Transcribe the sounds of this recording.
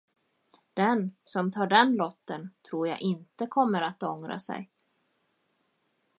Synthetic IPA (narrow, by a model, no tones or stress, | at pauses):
d̪̥ɛnsɔmt̪ʰɑːɖɛnlɔt̪ːənt̪ʰɾuːɾja̰ʔɪnt̪əkʰɔmːəɾat̪ɔŋɾa̰sɛ̰j